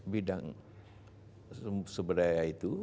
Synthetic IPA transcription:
bidaŋ | səbəɾajait̪u

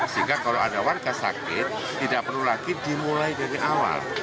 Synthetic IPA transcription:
səɦiŋɡakaloadawankasa̰kɪt̪ːidaʔpərlulaɡidimulajdaɾiʔawa̰l

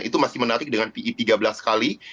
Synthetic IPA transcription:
ʔḭt̪umasɪhmənaɾɪk̚dəŋanpiʔit̪iɡabəlaskali

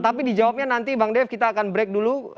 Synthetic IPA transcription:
t̪apidid͡ʒawap̚ɲanant̪ibaŋdɛfkit̪aːkanbɾɛk̚dulu

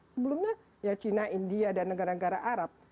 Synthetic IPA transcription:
səbəlumɲa | jat͡ʃinaʔindiadanːəɡaɾanəɡaɾaʔaɾap̚

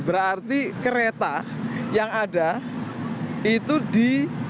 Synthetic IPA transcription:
bəɾart̪ikəɾet̪a | jaŋada | it̪udi

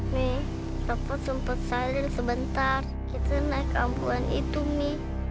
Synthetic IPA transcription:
mi | t̪apat̪̚səmpət̪̚salɪnsəbənt̪ar | kit̪anahkampuanḭt̪umɪ

